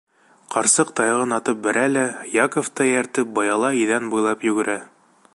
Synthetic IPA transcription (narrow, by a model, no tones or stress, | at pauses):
qʰɑɾsɤqt̪ɑjʁɤnɑt̪ɤp̚bɘ̆ɾælæjɑkoft̪ɑjæɾt̪ɘp̚bɑjɑlˠɑiðænbujlˠɑpjɵ̆ɡɘ̆ɾæ